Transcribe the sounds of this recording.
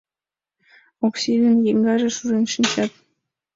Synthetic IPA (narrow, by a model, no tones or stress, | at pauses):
oksilʲɘnjeŋɡɑʒĕʃuɾenʃinʲt͡ɕɑt̪̚